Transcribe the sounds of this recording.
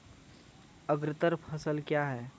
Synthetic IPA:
əɡɾɪt̪əɾpʰɐsəlkjaɦɛː

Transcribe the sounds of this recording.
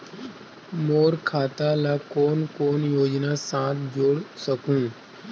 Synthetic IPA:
moːɾkʰaːt̪alakoːnkoːnjoːd͡ʒnaːsãːt̪ʰd͡ʒoːɽsəkũː

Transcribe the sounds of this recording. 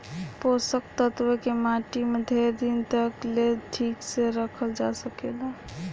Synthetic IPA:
posək̚t̪ət̪wəkemaʈimed̪ʱeɾd̪int̪əkleʈʰikseɾəkʰəld͡ʒasəkela

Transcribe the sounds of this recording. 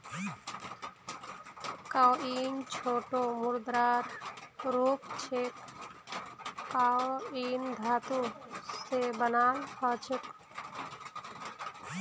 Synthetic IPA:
kawiːnt͡ʃʰoːʈomuɾd̪ɾaɾɾuːpt͡ʃʰek | awiːnd̪ʱaːt̪usebənaːlkʰɔːt͡ʃʰək

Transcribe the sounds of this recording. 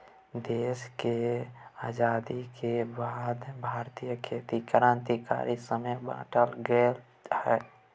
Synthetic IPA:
d̪eːskeaːd͡ʒaːd̪ikʰebaːd̪bʱaːɾt̪ijəkʰeːt̪ikəɾãːnt̪ika̰ːɾisəməjbã̰ːʈəlɡeːl | hɛː

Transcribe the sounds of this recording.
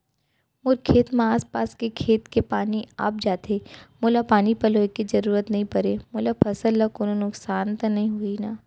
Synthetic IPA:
mʊɾkʰeːt̪mẽaːspaːskekʰeːt̪kepaːnia̰p̚d͡ʒaːt̪eːmoːlapaːnipɐloːekizɐɾuːɾət̪nɐɦĩpɐɾemoːlapʰɐsəlːakoːnonʊksaːnt̪ɐnɐɦĩɦʊinaː

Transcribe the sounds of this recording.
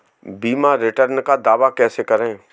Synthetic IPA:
biːmaɾɪʈəɾnkad̪aːʋakɛːsekɐɾẽː

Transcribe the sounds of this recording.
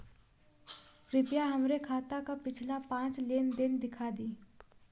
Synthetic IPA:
ɾɪpjaɦəmɾekʰaːt̪akapɪt͡ʃʰlapãːt͡ʃleːnd̪ɪnd̪ɪkʰad̪iː

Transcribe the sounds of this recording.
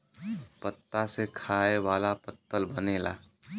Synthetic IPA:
pət̪ːasekʰaːeʋaːlapət̪ːəlbəneːla̰ː

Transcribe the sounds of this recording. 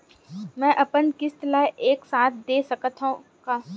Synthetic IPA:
mɛ̃ːʔɐpənkɪst̪laːeʔeːksaːt̪̚ʰd̪eːsɐkət̪ʰũ | kaː

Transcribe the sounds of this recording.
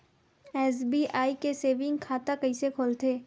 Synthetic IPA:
ɛːsbiːʔaːikeseːʋɪ̃ŋɡkʰaːt̪akɐisekʰoːlt̪ʰeː

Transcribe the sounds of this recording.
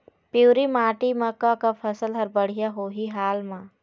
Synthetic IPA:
pjuːɾimaːʈimɐ̃kakapʰɐsəlɦɐɾbəɽ̤ijaɦoːɦiɦaːlmã

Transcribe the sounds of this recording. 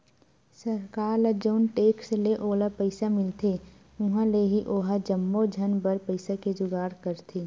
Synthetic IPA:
səɾkaːɾləd͡ʒoːnʈeːksleʔoːlapəɪsamɪlt̪ʰe | ʊɦãleɦiʔoːɦad͡ʒəmːod͡ʒʱənbəɾpəɪsaked͡ʒʊɡaːɽkəɾt̪ʰeː

